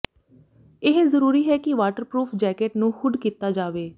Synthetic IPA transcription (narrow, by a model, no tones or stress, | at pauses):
ɪɦzəɾuːɾiːɦɛːkɪʋaːʈəɾpɾuːpʰd͡ʒɛːkeːʈnũːxʊɖkiːt̪aːd͡ʒaːʋeː